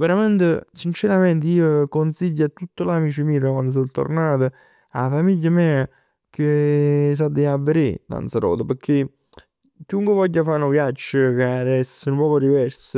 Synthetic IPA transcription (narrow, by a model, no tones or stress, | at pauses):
veɾament̪əsint͡ʃeɾamɛnt̪̬əiːokonsiʎːat̪ːut̪ːolamiːt͡ʃɪmiːɾəkwand̪os̬ot̪ːo̰rnaːt̪ə | a̰famiʎːamɛːa | kes̬ad̪eavːeɾela̰nt̪saɾɔ̰ːd̪əpəɾkʰːe | kːiuŋkwevɔʎːafaɾnoɡjat͡ʃːəkead̪ɛsənpɔːkod̪ivɛɾsə